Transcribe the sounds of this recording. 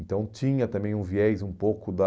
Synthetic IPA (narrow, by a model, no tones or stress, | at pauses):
nt̪ɐ̃w̃t͡ʃĩɲɐt̪ɐ̃mbẽj̃ũviɛjzũpowkʊd̪ɐ